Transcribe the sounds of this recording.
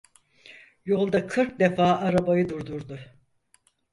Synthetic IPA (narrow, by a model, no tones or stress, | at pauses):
jo̞lˠd̪akʰɯɾk̚d̪e̞faːaɾabajɯd̪uɾd̪uɾd̪ʊ